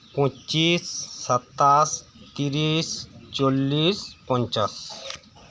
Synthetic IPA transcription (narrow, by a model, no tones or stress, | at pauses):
pɔ̃t͡ʃisːʌt̪ːas | t̪iɾist͡ʃolːispɔnt͡ʃas